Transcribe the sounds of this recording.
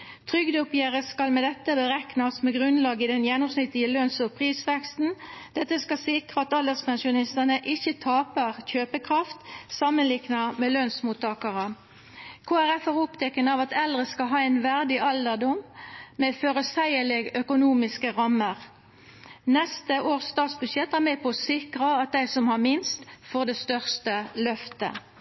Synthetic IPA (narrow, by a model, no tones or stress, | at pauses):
t̪ʰʁʏɡd̪ʊpjeːʁəskɑlmɛd̪ɛt̪ːəbəʁɛknɑsmɛɡʁʉnlɑːɡɪd̪ɛnjɛnːʊmsnɪt̪ːɪəlœnsɔpʰʁiːsʋɛkst̪n̩d̪̥ɛt̪ːəskɑsɪkʁəɑt̪ɑləspɛnsʊnɪst̪ənəʔɪçət̪ʰɑːpəʁçøːpəkʰʁɑft̪sɑmənlɪknɑmɛlœnsmuːt̪ʰɑːkɑʁə | kʰoːæʁɛfæʁʊpt̪ʰɛkənɑʋɑt̪ɛld̪ʁəskɑɦɑːɛɪnʋæʁd̪ɪʔɑld̪əʁd̪ʊmmɛføʁəsæɪəlɪɡœkʊnuːmɪskəʁɑməʁ | nɛst̪əʔoːʁsst̪ɑːt̪sbʉʃjɛt̪ːæʁmɛpʰɔsɪkʁəɑt̪̚d̪æɪsɔmhɑʁmɪnst̪foːʁd̪ɛst̪œʁst̪əlœft̪ə̰